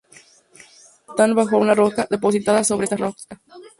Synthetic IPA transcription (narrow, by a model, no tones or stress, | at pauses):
t̪anβaxounarokaðe̞po̞s̬it̪aðasoβeest̪aroka